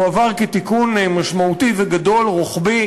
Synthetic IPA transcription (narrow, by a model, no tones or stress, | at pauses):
avaʁket̪ikunemaʃmaut̪iveɡad̪o̞lʁoχbi